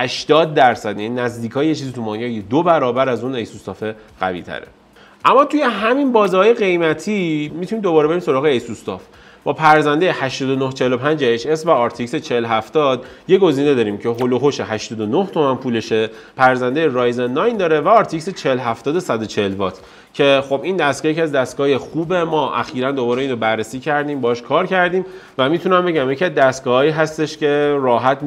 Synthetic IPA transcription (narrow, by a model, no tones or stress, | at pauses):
hæʃt̪ɒːd̪̚ːæɾsæd̪jæninæzd̪iːkʰɒːjje̞t͡ʃʰiːzit̪ʰumɒːjɒːjed̪obæɾɒːbæɾæzune̞jsust̪ɒːfe̞ | ɣæ̰vḭːt̪ʰæ̰ɾḛ | ʔæmːɒːt̪ʰuje̞ɦæminbɒːzihɒːjeɣe̞jmæt̪ʰimit̪ʰuniːmd̪o̞bɒːɾbeɾimso̞ɾɒːɣeejsust̪ɒf | b̥ɒːpʰæɾzænd̪ejehæʃt̪ɒːd̪onoht͡ʃʰe̞helo̞pʰænd͡ʒæjeʃesvæɒːɾt̪ʰicset͡ʃʰeloɦæft̪ɒd̪̥je̞ɡo̞ziːne̞d̪ɒːɾiːmcʰe̞ɦoloɦoʃe̞ɦæʃt̪ɒːd̪onoht̪ʰo̞mænpʰuːle̞ʃe | pʰæɾzænd̪ejeɾɒːjzenːɒjnd̪ɒːɾevæɒːɾt̪ʰicset͡ʃʰelɦæft̪ɒːd̪osæd̪ot͡ʃʰelvɒt̪ʰ | cʰe̞xo̞bind̪æst̪ɡɒːjecʰiæzd̪æst̪ɡɒːje̞xuːbe̞mɒːʔæ̰xiːɾænd̪o̞bɒːɾeiːnrobærːesiːcʰæɾd̪iːmbɒɦɒʃkʰɒːɾcʰæɾd̪iːm | væmiːt̪ʰunæmbeɟæmje̞cʰiæzd̪æst̪ɡɒːhɒːiːɦæst̪e̞ʃce̞ɾɒːɦæt̪ʰ